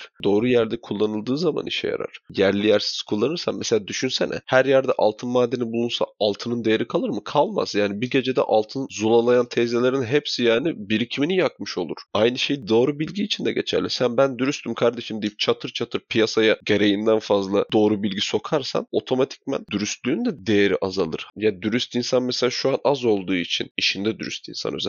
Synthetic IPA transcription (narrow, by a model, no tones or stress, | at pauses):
d̪o̞ːɾujæɾd̪ɛkʰulˠːanɯlˠd̪ɯːzama̰nḭʃɛ̰ja̰ɾa̰ɾ̥jæɾlʲijæɾsi̥z̥kʰulˠːanɯɾsanmese̞lʲaːd̪yʃynsɛnɛ̰hæɾjæɾd̪ɛʔa̰lˠt̪ʰɯnmaːd̪ːenibulˠunsa̰alˠt̪ʰɯnɯnd̪e̞jeɾikʰalˠɯɾmɯkʰalˠma̰zjaːnibiɟe̞d͡ʒed̪ɛ̰ʔalˠt̪ʰɯnzulˠalˠajant̪ʰɛzelʲeɾinɦepsijaːnibiɾicʰiminijakmɯʃo̞lˠuɾ̥ajnɯʃe̞jid̪oːɾubilʲɟiːt͡ʃʰind̪ɛɟe̞t͡ʃʰæ̰ɾlʲisænbænd̪yɾyst̪ʰymkʰaɾd̪e̞ʃimd̪ijip̚t͡ʃʰat̪ʰɯɾt͡ʃʰat̪ʰɯɾpʰijasajaɟe̞ɾe̞jind̪ænfazlˠad̪o̞ːɾubilʲɟiso̞kʰaɾsa̰no̞t̪ʰo̞mat̪ʰi̥c̚mæ̰nd̪̥yɾyst̪lʲyːnd̪ɛd̪e̞jeɾḭʔazalˠɯ̰ɾ̥jaːnd̪yɾyst̪insanmeselʲaːʃuanazo̞lˠd̪uːit͡ʃʰḭniʃind̪ɛd̪yɾy̰st̪ḭnsa̰nø̰z